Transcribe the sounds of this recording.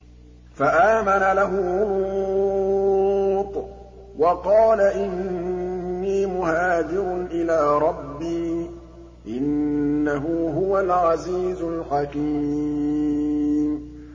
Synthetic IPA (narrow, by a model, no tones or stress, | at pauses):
faʔaːmanalaɦʊʊɾu | t̪ˤ | wɑqɑːlaʔɪnː | iːmʊhaːd͡ʒ̪ɪɾʊnʔɪlaːɾˤɑbːiː | ʔɪnːaɦʊɦʊwalʕaziːzʊlħɑki | m